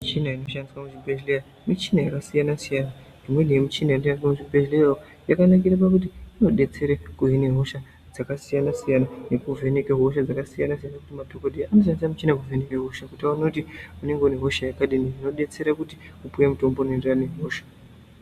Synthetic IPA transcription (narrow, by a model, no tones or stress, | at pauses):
mit͡ʃinaino̞ʃandiswamuʐibʱeʒleja | mit͡ʃinajakasijanasijana | nimwenijemit͡ʃinajandiaamuʐibʱeʒlejao | jakanak̬iɾapak̬ut̬iino̞ɗe̞t͡se̞ɾekuɦine̞ɦo̞ʃa | d͡zakasijanasijanane̞kuve̞ne̞keɦo̞ʃ̬ad͡zakasijanasijanakutimadʱokodʱijaano̞ʃ̬andisamit͡ʃinak̬uve̞ne̞keɦo̞ʃakutaunotiune̞ŋɡeuneɦoʃajakaɗinirino̞ɗe̞t͡se̞ɾakuti | kupujemuto̞mbonenderane̞ɦoːʃḁ